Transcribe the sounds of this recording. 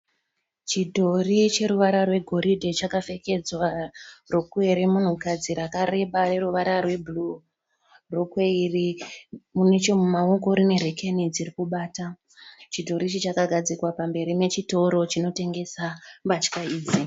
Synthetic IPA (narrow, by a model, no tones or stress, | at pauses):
t͡ʃidʱo̞rit͡ʃe̞ɾuʋaɾarwe̞ɡʱo̞ɾidʱet͡ʃakafe̞ke̞d͡zwarokue̞ɾemun̤ukad͡ziɾakare̞ɓare̞ruʋaɾarwe̞bʱulu | rokwe̞irimune̞t͡ʃo̞mumaoko̞ɾine̞rekʰenid͡zirikuɓaːta | t͡ʃidʱo̞ɾit͡ʃet͡ʃakaɡʱad͡zikwapambe̞ɾime̞t͡ʃito̞ɾo̞t͡ʃino̞te̞ŋɡe̞sabat͡ʃkaiːd͡zi